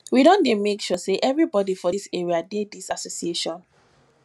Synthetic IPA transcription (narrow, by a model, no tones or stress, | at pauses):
wiɾɔ̃ndemekʃɔseʔɛvɹibɔdifɔiseɹiadedisasosieʃɔ̃n